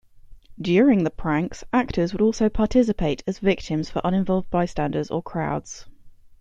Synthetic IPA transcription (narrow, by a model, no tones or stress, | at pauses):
d̥jɔːɹɪ̃ŋðəpʰɹ̥ãŋksak̚tʰəzwəɾɔˑlˠsəʊpʰɑˑtʰɪs̬ɪpʰeɪtʰəzvɪk̚tʰɪ̃mz̥fəɹʔʌ̃ñɪ̃ɱvɒlˠvd̚baɪstãndədzə̰kʰɹ̥aʊdz̥